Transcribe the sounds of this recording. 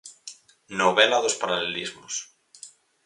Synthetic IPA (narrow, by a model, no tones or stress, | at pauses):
noβelaðospaɾalelizmos